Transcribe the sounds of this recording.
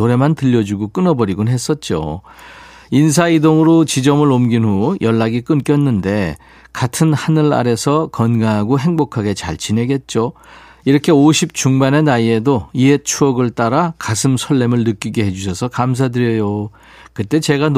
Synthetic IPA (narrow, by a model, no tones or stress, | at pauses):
oɾe̞mantɯʎːʌd͡ʑuɡok͈ɯnʌbʌɾiɡonɦe̞s͈ʌt̚t͡ɕ͈o̰ | insʰaidoŋɯɾot͡ɕid͡ʑʌmɯɭomɡinɦujʔʌɭːaɡik͈ɯnk͈jʌnːɯnde̞ | katʰɯnhanɯɭa̰ɾe̞sʰʌkʌnɡaɦaɡoɦe̞ŋbokʰaɡe̞t͡ɕa̰ɭt͡ɕine̞ɡe̞t̚t͡ɕ͈o | iɾʌkʰe̞oɕʰip̚t͡ɕuŋmane̞naie̞doie̞t͡ɕʰuʌɡɯɭt͈aɾakasʰɯmsʰʌɭːe̞mɯɭnɯk͈iɡe̞ɦe̞d͡ʑuɕʰʌsʰʌkams̬ʰadɯɾjʌjo | kɯt͈e̞t͡ɕe̞ɡan